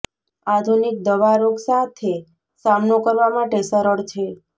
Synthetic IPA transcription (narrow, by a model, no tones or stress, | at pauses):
ad̪ʱunik̚d̪əʋaɾoɡsat̪ʰe | samnokəɾʋamaʈesəɾəɽt͡ʃʰe